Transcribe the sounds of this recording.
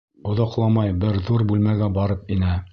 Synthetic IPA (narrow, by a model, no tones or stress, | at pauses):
ŏðɑqlˠɑmɑjbɘɾðuɾbʉlmæɡæbɑɾɤpinɘ